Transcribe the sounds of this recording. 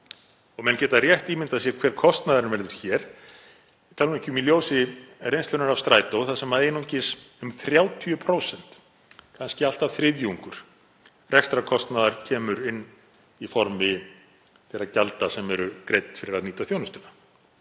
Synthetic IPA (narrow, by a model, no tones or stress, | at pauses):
ɔɣmɛncɛːt̪arjɛht̪imɪnt̪asjɛɾkʰvɛːɾ̥kʰɔst̪naðaɾɪnvɛɾðʏɾ̥çɛɾ̥ | t̪ʰalnɛcʏmiljoːwsɪrejnstlœnʏɾav̥st̪ɾaːjt̪owθaðsɛmːaðejnuɲcɪsʏmθɾjaːwt̪ʰyʏpʰɾowsɛn̥t̪ | kʰanscɪal̥t̪av̥θɾɪðjuuŋkʏɾ̥ | rɛkst̪ɾakʰɔst̪naðaɾ̥cʰɛːmʏɾɪnː | ifɔɾmɪ | θɛɾacalt̪asɛmɛɾʏkɾeːjt̪n̥fɪɾɪɾaðniːt̪aθjownʏst̪ʏna